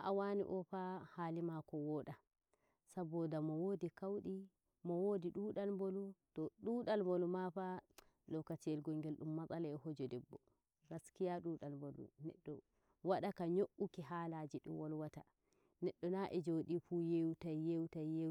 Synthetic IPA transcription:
aʔawanḭʔɔfahalimakɔwɔːɗa | sabɔdamɔwodikawɗi | mɔwodiɗuːɗalmbolutɔɗuːɗalmbolumafa | lɔkːatiɛlɡɔŋɡɛlɗumːat͡sʼalaɛhod͡ʒɔdɛbːɔ | ɾaskijaɗuɗalmbolṵnɛɗːɔ | waɗakaɲoʔːukiɦaːlad͡ʒiɗṵmwɔlwata̰ | nɛɗːɔnaʔɛd͡ʒoɗifuːjewtajːewtajje

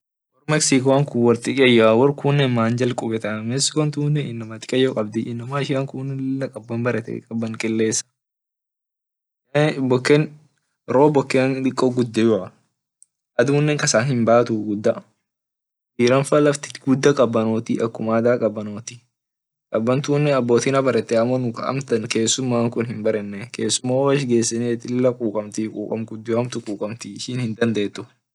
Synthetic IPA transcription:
wɔrmɛksikoɐŋkʊwɔɾt̪ɪʔɐjawɔrkunːɛnmaːnd͡ʒɐlkʼʊbɛt̪ɐmɛsɪ̥kɔnt̪uːnːɛɪnːɐmɐt̪ɪ̥kʼɐjːɔkʼɐbd̪ɪʔɪnːɐmaːɪʃɪʔɐŋkunɪlːɐkʼɐbːɐmbɐɾɛt̪ɛ̰kʼɐbːɐŋkʼɛlːeːsːɐ̥ | bɔkːɛn | ɾoːbɔkːenᶑ̪ɪkʼːoɡʊd̪ːɛjʊʔɐ | ʔɐd̪uːnːɛŋkɐsaːnhɪmbaːt̪ʊɡʊd̪ːɐ | iːɾɐnfɐlɐft̪ɪ̥ɡʊd̪ːɐkʼɐbːɐnoːt̪ɪʔɐkːʊmaːd̪aːkʼɐbːɐnoːt̪ɪ | kʼɐbːɐnt̪uːnːɛɐbːoːt̪inɐbɐɾɛt̪ːɛɐmonʊkɐ̰ɐ̰mt̪ɐnke̞ːsːʊmːaːŋkʊnhɪmbɐɾɛnːɛkʰe̞ːsːʊmːaːwɐʃ̬ɡe̞ːsːɪneːt̪ɪɪlːɐkʼuːkʼɐmt̪ɪkʼṵːkʼɐ̰mɡʊd̪ːɪwɐmt̪ʊkʼuːkʼɐmt̪ɪɪʃiːnhɪnd̪ɐnd̪eːt̪ːʊ

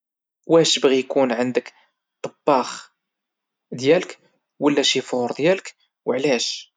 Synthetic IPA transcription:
wæʃəbɣijkunʕənd̪ək | t̪ˤɑbːɑx | d̪jælək | wəlːæʃifoɾˤd̪jælək | wəʕlæʃ

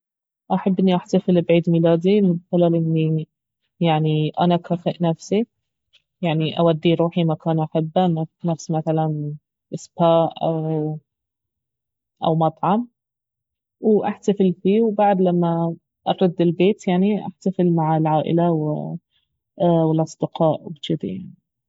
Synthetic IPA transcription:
ʔaħabːʔɪnːiʔaħt̪afɪlbʕiːd̪milaːd̪imɪd̪̚xɪlalʔɪnːi | jaʕniʔanakaːfɪʔnafsi | jaʕniʔa̰wad̪ːiɾuːħimakaːnʔaħɪbːananafsimaθalan | ʔɪsbaːʔʔaw | ʔa̰wmɑt̪ˤʕɑm | wʔaħt̪afɪlfiːwbaʕd̪lamːa | ʔɑɾˤɑd̪ːɪlbeːt̪jaʕniʔa̰ħt̪afɪlmaʕɪlʕaːʔɪ̰lawɪ̰ | wɪlʔɑsˤd̪ɪqɑːʔwbt͡ʃɪd̪a̰jaʕnii

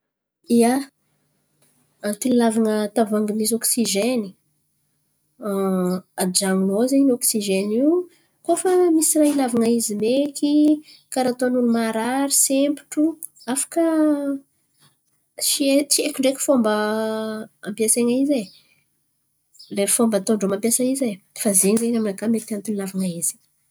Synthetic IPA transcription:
ia | at̪ililavaŋət̪avaŋɡimisɔksiʒeni | ad͡ʒaŋunozenɔksiʒeni | kofəmisirailavaŋaizimekikaɾat̪onunumaɾaɾisempi̥ʈ͡ʂu | afḁkə | t͡ʃiet͡ʃiekuɳɖ͡ʐekʲu̥fombə | ampjaseŋaize | lefombət̪oɳɖ͡ʐomampjasaize | fazeɲizeɲamnakamet̪ant̪unilavaŋaizi̥

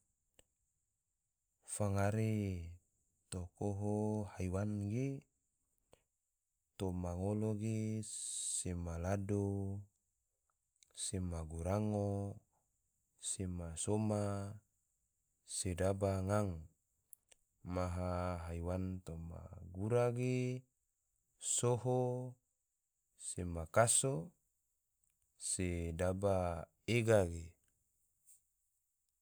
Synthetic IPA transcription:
faŋaɾe | t̪okoɦohaiwanɡe | t̪omaŋoloɡe | semalado | semaɡuɾaŋo | semasoma | sedabaŋaŋ | maɦaɦaiwant̪oma̰ɡuɾaɡe | soho | semakaso | sedaba | eɡaɡe

